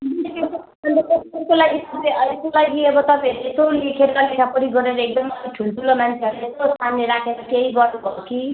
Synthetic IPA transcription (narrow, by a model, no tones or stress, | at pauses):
bntekʌsʌ | bʌnd̪ekʌserkolaɡisʌbeʔʌesolaɡiʌbʌt̪ʌpãɦeɾsolekʰeɾʌlekʰapʌɾiɡʌɾeɾʌek̚d̪ʌmʌɾiʈʰulʈʰulomant͡sʰeɦʌɾest̪ost̪ʰanːeɾakʰeɾʌkeɦiɡʌɾubʌoki